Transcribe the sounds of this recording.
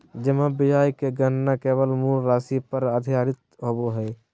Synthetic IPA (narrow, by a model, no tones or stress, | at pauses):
d͡ʒɪmãbɪd͡ʒaːjkeɡənnakeːbəlmuːɾɾaːsipəɾəd̪ʱijaːɾɪt̪ɦoboɦɛː